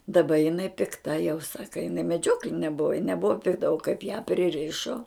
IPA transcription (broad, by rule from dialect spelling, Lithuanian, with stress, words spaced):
dɐˈbɐ jɪˈnɐɪ pʲɪkˈtɐ jɛʊ ˈsɑːkɐ jɪˈnɐɪ mʲɛˈd͡ʒʲoːklʲɪnʲɛ ˈbʊʋɐ jɪ nʲɛˈbʊʋɐ pʲɪkˈtɐ oː kɐɪp jæː pʲrʲɪˈrʲɪʃoː